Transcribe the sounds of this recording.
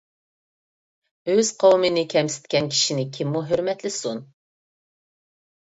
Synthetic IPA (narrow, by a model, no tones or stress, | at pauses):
øz̥qʰɑwmɨnɪkʲʰɛmsɪ̥t̪kʲɛnkʲʰi̥ʃinɪkʲʰimːuɦøɾmɛt̪lɪsun